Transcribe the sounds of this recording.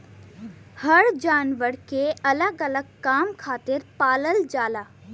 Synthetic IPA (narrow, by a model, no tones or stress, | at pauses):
həɽd͡ʒaːnʋəɽkeɐləɡɐləɡ̚kaːmkʰaːt̪ɪɾpaːləld͡ʒaːlaː